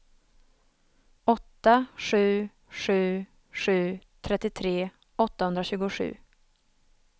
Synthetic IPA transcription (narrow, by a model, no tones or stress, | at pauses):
ɔt̪ːaɧʉ̟ː | ʂʉ̟ː | ʂʉ̟ːt̪ʰɾɛt̪ːɪt̪ʰɾeː | ɔt̪ːahɵnd̪ɾaɕʉ̟ːɡʊɧʉ̟̰ː